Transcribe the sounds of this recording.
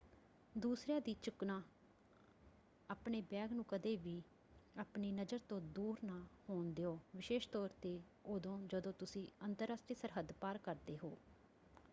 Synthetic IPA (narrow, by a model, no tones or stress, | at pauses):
d̪uːsɾeãːd̪iːt͡ʃʊknaː | aːpɳeːbɛːɡnũːkəd̪eːʋiː | aːpniːnəd͡ʒəɾt̪õːd̪uːɾnaːhoːnd̪eːoːʋɪʃeːʃt̪ɔːɾt̪eː | oːd̪õːd͡ʒəd̪õːt̪ʊsĩːənt̪əɾaːsʈɾiːsəɾɦəd̪paːɾkəɾd̪eːɦoː